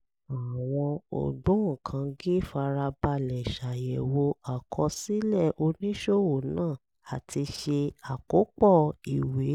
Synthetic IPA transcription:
a˨w̃ɔ̃˧o̰˨dũ˨˦ŋ̩˦˨kʰã˧ɡi˦fa˧ɾa˧ba˧lɛ˨ʃa˨jɛ˨wo˧a˨kʰɔ˧si˦lɛ˦˨ʔo˧nĩ˦ʃo˦wo˨nãː˦˨ | a˨tʰi˧ʃe˧a˨ko˨˦k͡pɔ˦˨i˨we˨˦

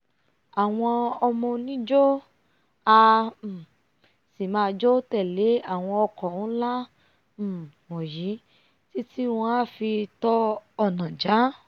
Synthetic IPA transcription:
a˨w̃ɔ̃˧ɔ˧mɔ̃˧nĩ˦d͡ʒo˦ | a˧˨ | si˨mãː˧d͡ʒo˦tɛ˦˨le˨˦a˦˨w̃ɔ̃˧ɔ˧kɔ˨ũ˦la˦˨ | wɔ̃˨ji˨˦ | ti˦ti˦w̃ɔ̃˧a˦fi˧tɔ˦ɔ˧˨nã˨d͡ʒa˨˦

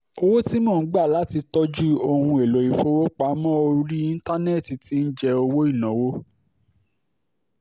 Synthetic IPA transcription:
o˦˧wo˦ti˦mɔ̃˦˨˦ɡ͡ba˦˨la˨˦ti˧tɔ˦d͡ʒu˦o˧hũ˧e˨lo˨ji˨fo˦wo˦k͡pa˨˦mɔ̃˦o˧˦ɾi˦i˦n̩˦ta˦ne˦˨ti˨ti˨˦n̩˦d͡ʒɛ˧o˧wo˦i˦˨nɔ̃˨˦wo˦

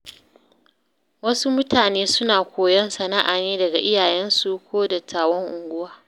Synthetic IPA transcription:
wɐ˦su˦mʊ˦taː˨neː˦sʊ˦naː˨kʷoː˨jɛ˦nsɐ˨na˦ʔaː˨neː˦dɐ˨ɡa˨ʔɪ˦jaː˨jɛ˦nsu˨kʷoː˦dɐ˨tʰːaː˨wɔ˦ŋʔʊ˨ŋɡʷʊ˦waː˦

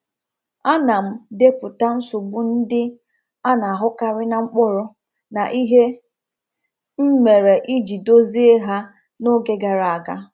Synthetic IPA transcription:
a˦na˨m̩˦de˦pʊ˨ta˦n̩˦sʊ˨ɡ͡bʊ˦n̩˦dɪ˦ | a˦na˨a˨ɦʊ˦ka˨ɾɪ˦na˨ŋ͡m̩˦k͡pʊ˦ɾʊ˨ | na˨ʔi˦ɦe˦ | m̩˦me˨ɾe˨ʔi˦d͡ʒi˨do˦zi˦e˦ɦa˦ | nʊ˦ɡe˨ɡa˨ɾa˨a˨ɡa˦

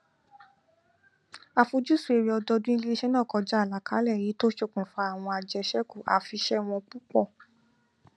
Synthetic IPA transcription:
a˨fu˧d͡ʒu˦su˦e˧ɾi˧ɔ˧dɔ˧dũ˦i˦le˦ʃɛ˦nãː˦˨kɔ˧d͡ʒa˦a˦˨la˨˦kaː˨˦lɛ˦˨ji˨˦to˦ʃo˦˧˨kũ˨fa˧˦a˦˨w̃ɔ̃˧a˧d͡ʒɛ˧ʃɛ˦ku˦˨ʔa̰˨fi˧ʃɛ˦w̃ɔ̃˧k͡pu˦k͡pɔ˦˨

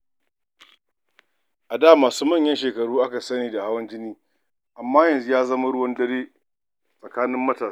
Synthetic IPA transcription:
ʔa˨daː˦˨maː˨suː˦mɐ˦˨ɲjɐ˦nʃeː˨kɐ˨ɽuː˦ʔa˦ka˨sɐ˦niː˨da˨ha˦wɐ˦nt͡ʃɪ˦niː˦ | ʔa˨mːaː˦jɐ˨nzu˦jaː˦zɐ˦ma˦ɽʊ˦wɐ˦ndɐ˦ɽeː˦ | sʼɐ˨kaː˦nɪ˦mːɐ˦taː˨˦

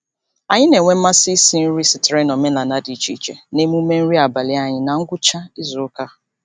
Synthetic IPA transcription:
a˨ɲɪ˦ne˨ŋʷe˦m̩˦ma˦si˦si˦n̩˦ɾi˦sɪ˨tɪ˨ɾe˦nɔ˨me˦la˨na˦di˨t͡ʃi˦t͡ʃḛ˨ne˦mu˦me˦n̩˦ɾi˦a˨ba˨lɪ˦a˦ɲɪ˦na˨ŋ̩˦ɡʷʊ˦t͡ʃa˦ɪ˦zʊ˨˦ka˦

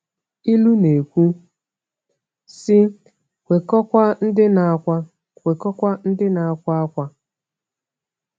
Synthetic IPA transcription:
i˦lu˦ne˨kʷu˦ | sɪ˦ | kʷe˨kɔ˦kʷa˦n̩˦dɪ˦na˨kʷa˦ | kʷe˨kɔ˦kʷa˦n̩˦dɪ˦na˨a˦˨kʷa˦a˦kʷa˦

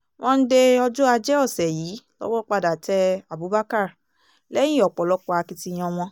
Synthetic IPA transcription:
w̃ʔɔ̃˧n̩˦de˧ɔ˧d͡ʒu˦a˧d͡ʒɛ˦ɔ˦˨sɛ˨jiː˨˦lɔ̰˦wɔ˦k͡pa˧da˨tɛ˧a˨bu˨˦ba˦ka˦˨ɾ | lɛ̃˦ĩ˦˨ɔ˨k͡pɔ˨lɔ˨˦k͡pɔ˧a˧ki˧ti˧j̃ɔ̃˧w̃ɔ̃˧

